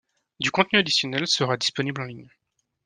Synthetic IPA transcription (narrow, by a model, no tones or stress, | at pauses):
d̪ykɔ̃t̪nyad̪isjɔnɛlsəʁad̪ispɔniblɑ̃liɲ